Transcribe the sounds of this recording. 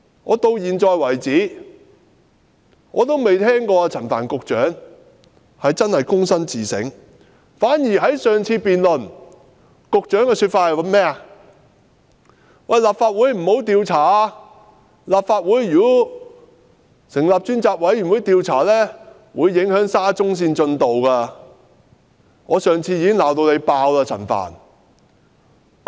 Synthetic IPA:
ŋɔː˨˧t̪o˧wjiː˨nt͡ʃɔː˧jwɐ˨˩jt͡siː˨˥ | ŋɔ̰ː˨˧t̪o˥wme˨jt̪ʰɛː˥ŋkɔː˧t͡sʰɐ˨˩nfa̰ː˨˩nkʊ˨k̚t͡ʃœː˨˥ŋ | hɐ˨jt͡sɐ˥nhɐ˨jkʊ˥ŋsɐ˥nt͡siː˨sɪ̰˨˥ŋ | faː˨˥njiː˨˩ɦɐ˨˥jsœː˨ŋt͡sʰiː˧piː˨nlɵ˨˩n | kʊ˨˧k̚t͡ʃœː˨˥ŋkɛː˧syː˧t̚faː˧t̚hɐ˨jwɐ˨˧˥nmɛː˥a˨ | wɐ˨jlaː˨p̚faː˧t̚wuː˨˥jm̩˨˩ho˨˥wt̪iː˨˧wt͡sʰaː˨˩ | laː˨p̚faː˧t̚wuː˨˥jːyː˨˩˥ | sɪ˨˩ŋlaː˨p̚t͡ʃyː˥nt͡saː˧k̚wɐ˨˥jɥyː˨˩nwu˨˥jt̪iː˨˧wt͡sʰaː˨˩lɛː˥ | wuː˨˧jːɪ˨˥ŋhœː˨˥ŋsaː˥t͡sʊ˥ŋs̬iː˧nt͡ʃɵ˧nt̪o˨wkaː˧ | ŋɔː˨˧sœː˨ŋt͡sʰiː˧jiː˧kɪ˥ŋlaː˨wt̪o˧wne˨˧jpaː˧wlaː˧t͡sʰɐ̰˨˩nfa̰ː˨˩n

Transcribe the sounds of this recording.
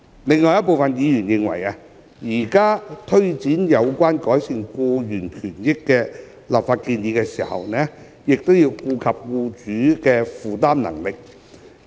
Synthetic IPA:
lɪ˨ŋːɔː˨jɐ˥t̚p̬o˨wfɐ˨njiː˨˧jyː˨˩njɪ˨˧ŋwɐ̰˨˩ja˧ | jiː˨˩kaː˥t̪ʰɵ˥ɥt͡siː˨˥njɐ˨˧wkʷwaː˥nkɔː˨˥jsɪ˧ŋkuː˧jyː˨˩nkʰyː˨˩njɪ˥kːɛː˧ | laː˨p̚faː˧t̚kiː˧njiː˨˧kɛː˧siː˨˩hɐ̰˨wnɛː˥ | jɪ˨k̚t̪o˥wjiː˧wkuː˧kʰɐ˨p̚kuː˧t͡ʃyː˨˥kɛː˧fuː˨˩t̪aː˥mnɐ̰˨˩ŋlɪ˨k̚

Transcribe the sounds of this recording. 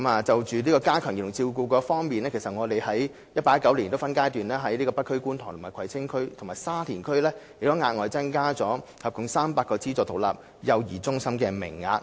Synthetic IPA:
maː˨t͡sɐ˨wt͡ʃyː˨liː˥kɔː˧kaː˥kʰœː˨˩ŋji˨˩˨ʊ˨˩ŋt͡siː˧wkuː˧kɔː˧fɔː˥ŋmiː˨nlɛː˥kʰe˨˩sɐ˨t̚ŋɔː˨˧t̪e˨jhɐ˨˥j | jɐ˥t̚paː˧jɐ˥kːɐ˨˥wliː˨˩nt̪o˥wfɐ˥nkaː˥jt̪yː˨nlɛː˥ɦɐ˨˥jliː˥kɔ˧pɐ˥t̚kʰːɵ˥ɥkuː˥nt̪ʰɔː˨˩ŋt̪ʊ˨˩maː˨jkʰɐ˨˩jt͡sʰɪ˥ŋkʰɵ˥ɥt̪ʰʊ˨˩maː˨˩jsaː˥t̪ʰiː˨˩nkʰɵ˥ɥlɛː˥jiː˨˩kt̪ɔː˨˥ŋaː˧t̚ŋɔː˨jt͡sɐ˥ŋkaː˥t͡sɔː˨˥hɐ˨p̚kʊ˨˩ŋsaː˥mpaː˧kɔː˧t͡siː˥t͡sɔː˧t̪ʰo˨˩wla̰ː˨p̚ | jɐ˨˧wjiː˨˩t͡sʊ˥ŋsɐ˥mkɛː˧mɪ̰˨˩ŋːa̰ː˧t̚

